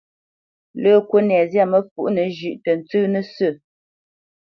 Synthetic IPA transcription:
ləː˦kwə˦nɛ˨zja˦˨mə˦fṵ˨ʔnə˨ʒʉ˨ʔtə˨n̩˨t͡sɨː˦nə˦sə˦˨

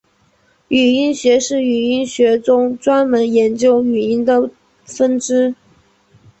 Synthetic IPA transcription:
y˨˩i˥nɕɥɛ˧˥ʂɻ̩˥˩y˨˩i˥nɕɥɛ˧˥ʈ͡ʂʊ˥ŋʈ͡ʂwa˥nmə˧˥njɛ˧˥nt͡ɕjo˥ʊy˨˩i˥nd̪ə˨ | fə˥nʈ͡ʂɻ̩˥

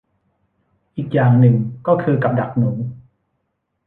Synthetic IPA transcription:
ʔiː˨˩k̚jaː˨˩ŋnɯ˨˩ŋkɔː˥˩kʰɯː˧ka˨˩p̚da˨˩k̚nuː˩˦

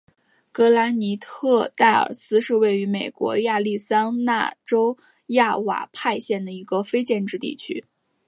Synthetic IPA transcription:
kɤ˧˥la˧˥ni˧˥t̪ʰɤ˥˧t̪a˥˩ɪə̰˞˨˩sɹ̩˥ʂɻ̩˥˧we˥˩ɪy˧˥me˨˩ɪkwɔ̰˧˥ja˥˧li˥˩sa˥nna̰˥˩ʈ͡ʂo˥ʊ | ja˥˩wa̰˨˩pʰa˥˧ɪɕjɛ˥˩nd̪ə˩i˧˥ɡə˧fe˥ɪt͡ɕjɛ˥˧nʈ͡ʂɻ̩˥˧t̪ḭ˥˩t͡ɕʰy̰˥

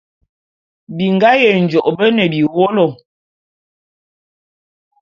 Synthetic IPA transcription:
bi˨ŋ˨ɡa˦jɛ˨n̩˨d͡ʒɔ˨ʔbə˦nə˨bi˨wɔ˦lɔ˨

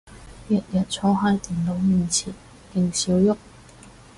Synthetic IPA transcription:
jɐ˨t̚jɐ˨t̚t͡sʰɔː˧˥ɦaː˧˥jt̪iː˨˩nlo˨˥wmiː˨˩nt͡sʰiː˨˩n | hɪ˨˩ŋsiː˨˥wjʊ˥k̚

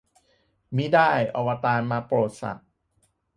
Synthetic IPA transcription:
mi˦˥daː˥˩jʔɔ˧wa˧t̪aː˧nmaː˧pɾoː˨˩t̪̚sa̰˨˩t̪̚

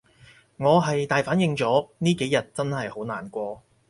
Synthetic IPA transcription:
ŋɔː˨˧ɦɐ˨jt̪aː˨jfaː˨˥njɪ˧ŋt͡sɔː˨˥niː˥ke˨˥jːɐ˨t̚t͡sɐ˥nhɐ˨jho˨˥naː˨nkʷɔː˧

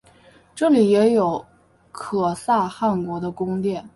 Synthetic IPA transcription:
ʈ͡ʂɤ˥˩li˨˩jɛ˧˥jo˨˩˦ʊ | kʰɤ˨˩sa˥˧xa˥˩nkwɔ˧˥d̪ə˧kʊ˥ŋt̪jɛ˥˩n

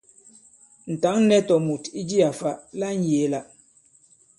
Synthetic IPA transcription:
n̩˨ta˨˦ŋ˦nɛ˦tɔ˨mu˨ti˦d͡ʒi˦a˨fa˦la˦n̩˦˨je˨˦la˨

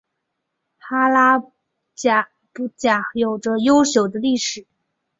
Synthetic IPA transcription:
xa˥la˥ | t͡ɕa˨˩ | pu˧˥˩t͡ɕja˨˩jo˨˩ʊʈ͡ʂə˦jo˥ʊɕjo˨˩ʊd̪ə˦li˥˩ʂɻ̩˨˩˦

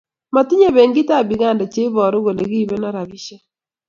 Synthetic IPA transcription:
ma˨ti˦ɲe˦be˨ŋɡɪ˦ta˦˨bi˨ɡa˦nda˨t͡ʃe˦bɔ˨ɾo˦ɡo˨le˨ɡi˦i˨be˦nɔ˦ɾa˨bi˦ʃe˦

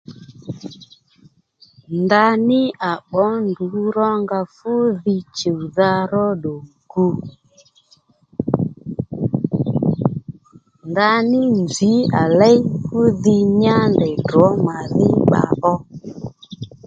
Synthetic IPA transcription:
nda˧nɪ˦a˨ɓɔ˨˦ndu˨˦ɾɔ˦ŋɡa˧fʊ˦ði˧t͡ʃe˨u˨ða˧ɾɔ˦ɗo˨ŋ | ɡu˧ | nda˧nɪ˦nd͡ʒi˨˦a˨lɛ˦jfʊ˦ðɪ˧ɲa˦ndɛ˨dɔ˨˦ma˨ðɪ˦ɓa̰˨ʔɔ˦

